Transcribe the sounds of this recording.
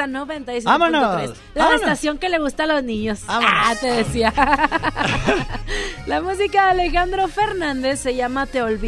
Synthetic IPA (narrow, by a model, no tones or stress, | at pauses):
anoβent̪ajs̬amonoiɾes | laðast̪asjo̞ŋke̞le̞ɣust̪aːlo̞znĩɲo̞saat̪e̞ðesia | lamus̬ikaðeale̞xand̪ɾo̞fe̞ɾnãnd̪e̞sːe̞ʝamat̪e̞olβi